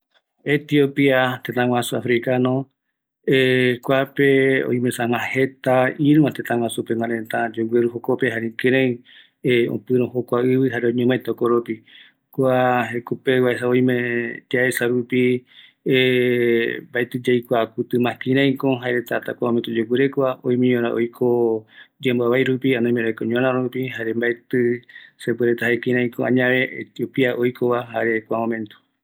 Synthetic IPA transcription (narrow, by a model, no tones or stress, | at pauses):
et̪iopiat̪et̪ãwʷãsuafɾikanõ | ekʷapeo̰ĩj̃mẽsãwãhet̪aiɾɨmãt̪ẽt̪ãw̃ʷãsupemãɾẽt̪ãd͡ʒoɡʷeɾuhokopeɦaɾikẽɾ̃ẽj̃ | õ̰pɨɾõhokʷaɨβɨɦaɾeõɲẽmãẽt̪aokoɾopi | kʷaekupewaesaoj̃mẽt̪iaesaɾupi | e | mbaet̪ɨd͡ʒajkʷakut̪ɨmãkĩɾ̃ãj̃kõɦaeɾet̪at̪a̰kʷamoment̪od͡ʒok̬ɨɾekʷaõ̰j̃mẽɲõɾãʔo̰jkʰod͡ʒambaβajɾupiãnõj̃meɾakõɲõɾãɾupiɦaɾembaet̪ɨsepɨɾet̪aɦaekĩɾ̃ãj̃kõã̰ɲãʋeʔḛt̪jopiaʔojkʰoβaɦaɾe̞kʷamõmẽnt̪o̥